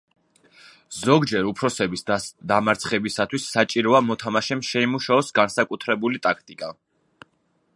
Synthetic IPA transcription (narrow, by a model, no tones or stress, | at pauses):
zɔɡd͡ʒɛɾupʰɾɔsɛbisd̪amaɾt̪sʰχɛbisat̪ʰwisːat͡ʃʼiɾɔamɔt̪ʰamaʃɛmʃɛimuʃaɔsɡansakʼut̪ʰɾɛbulit̪ʼakʰt̪ʼikʼa